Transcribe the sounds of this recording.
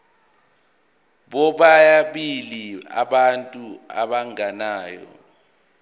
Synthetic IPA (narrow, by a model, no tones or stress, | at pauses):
ɓɔɓajaɓilia̰ɓantʼua̰ɓaŋanaːjɔ̰